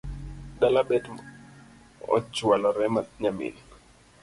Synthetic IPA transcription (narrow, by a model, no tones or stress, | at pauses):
dalabɛtm | ɔ̰t͡ʃwalaɾɛmaɲamḭn